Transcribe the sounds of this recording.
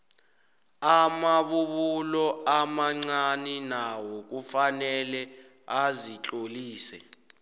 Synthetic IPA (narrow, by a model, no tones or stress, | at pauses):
amaɓuɓulɔamaŋ͡ǀaninawɔk̬ufanɛlɛ | azit͡ɬʼoliːsɛ